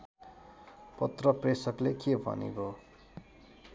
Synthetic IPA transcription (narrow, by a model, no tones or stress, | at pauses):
pʌt̪rʌpresʌklekebʱʌ̰nḭɡo